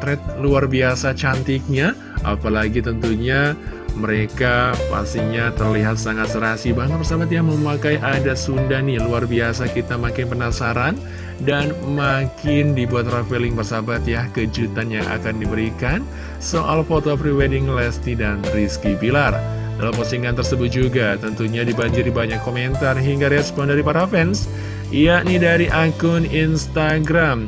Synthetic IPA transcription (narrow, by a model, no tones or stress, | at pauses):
t̪ɾɛt̪̚luarbiasat͡ʃant̪ik̚ɲa | ʔa̰palaɡit̪ənt̪uɲaməɾekapa̰st̪iɲat̪ərliɦat̪̚saŋat̪səɾaɦasibaŋət̪pərsabat̪̬jaməmakaiʔadasundahnɪluarbiasakit̪amakɪnpənasaɾan | danmakɪndibuat̪rafelɪŋpərsabat̪jahkəd͡ʒut̪anjaŋa̰kandibəɾikan | soʔalfot̪opɾiwɛdɪŋlɛst̪idanriskibilar | dalamposiŋkant̪ərsəbʊt̪̚d͡ʒuɡat̪ənt̪uɲadibaɲd͡ʒɪribaɲakːoment̪arɦiŋɡaɾɛspɔndaɾipaɾafɛns | ijanidaɾiʔakʊninst̪aɡɾam